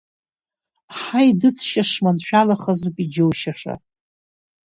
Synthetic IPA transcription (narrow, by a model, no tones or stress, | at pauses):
ħajdɨt͡sʰʃaʂmanʃᶣalaχazupʼid͡ʒowʃaʂa̰